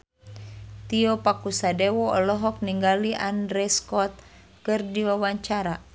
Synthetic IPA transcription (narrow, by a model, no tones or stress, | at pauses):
t̪iɔpakusadɛwɔɔlɔɦɔk̚niŋɡaliʔandɾɛskɔt̪̚ | kɨrdiwawaɲt͡ʃaɾa